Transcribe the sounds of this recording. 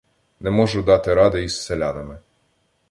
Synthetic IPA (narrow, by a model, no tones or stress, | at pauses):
nɛmɔʒʊd̪ɑt̪ɪɾɑd̪ɪisːelʲɑnɐmɪ